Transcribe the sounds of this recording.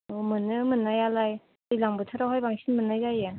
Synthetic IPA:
omɯnːɯmɯnːajalaj | dijlaŋbɯtʰaɾawɦajbaŋsʰinmɯnːajzaje

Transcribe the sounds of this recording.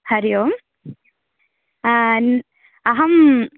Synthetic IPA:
hɐɾijoːm | n | ɐɦɐm

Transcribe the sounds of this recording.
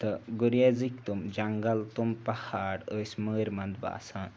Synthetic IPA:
t̪ɐɡuɾjazikt̪umd͡ʒɐŋɡɐlt̪umpɐhaːɽəːsʲməːɾʲmɐnd̪ba̰ːsaːn

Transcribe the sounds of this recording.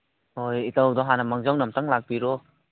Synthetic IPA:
hɔjitawdɔɦanamaŋzawnamtaŋlak̚biɾɔ

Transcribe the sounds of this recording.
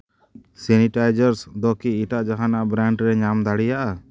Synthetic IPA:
sɛniʈajd͡ʒaɾsd̪ɔkiiʈaʔd͡ʒaɦanaʔbɾaɳɖɾɛɲamd̪aɽijaʔa

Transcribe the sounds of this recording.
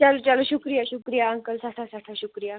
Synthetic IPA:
t͡ɕalut͡ɕaluɕukɾijaɕukɾijaəŋkəlsaʈ̪ʰasʰaʈ̪ʰaɕukɾija

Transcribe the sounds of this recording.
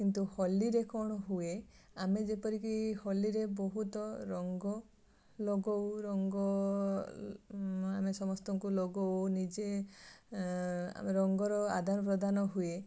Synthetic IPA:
kint̪uhɔliɾekɔɽ̃ɔɦue | amed͡ʒepɔɾikihɔliɾebɔɦut̪ɔɾɔŋɡɔ | loɡɔwɾɔŋɡɔ | amesɔmɔst̪ɔŋkuloɡɔwnid͡ʒe | ɾɔŋɡɔɾɔa̰d̪ʱaɾɔp̬ɾɔd̪ʱanɔɦue

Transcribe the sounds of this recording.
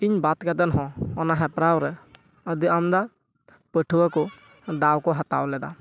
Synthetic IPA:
iɲbat̪kad̪anɦɔ̃ɔnaɦɛpɾawɾɛ | əd̪iamd̪a | pəʈʰuwakɔ | d̪awkɔɦat̪a̰wlɛd̪a

